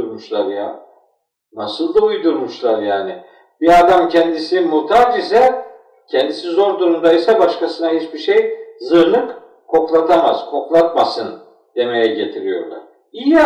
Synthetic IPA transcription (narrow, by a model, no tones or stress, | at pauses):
ɾmuʃlˠaɾja̰ | nasɯlˠd̪aujd̪uɾmuʃlˠaɾjaːnɪ | b̥iad̪amcʰɛnd̪isimuɾt̪ʰad͡ʒisɛ | cʰɛnd̪isizo̞ɾd̪uɾund̪aisabaʃkasɯnahit͡ʃbiʃejzɯɾlˠɯk | kʰːo̞klˠat̪ʰamaz̥kʰo̞klˠat̪masɯn | d̪̥e̞me̞jɛɟet̪ʰiɾijo̞̰ɾlˠa̰ɾ̥ | ij